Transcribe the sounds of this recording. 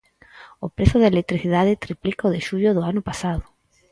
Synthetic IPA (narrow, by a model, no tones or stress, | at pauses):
opɾeθoðelek̚t̪ɾiθiðaðet̪ɾiplikoðeʃuʎoðoanopasaðo